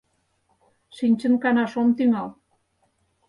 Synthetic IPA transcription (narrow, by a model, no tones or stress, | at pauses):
ʃinʲt͡ɕə̆nkɑnɑʃomt̪yŋɑl